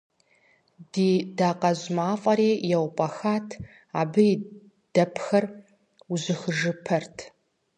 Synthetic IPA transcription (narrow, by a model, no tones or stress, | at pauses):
d̥iːdaːqɐʑmaːfʼɐɾeːjɛwpʼɐxaːtʰ | aːbɨi | d̥ɐpʰxɐr | uʑɪxɨʒɨpʰɐrtʰ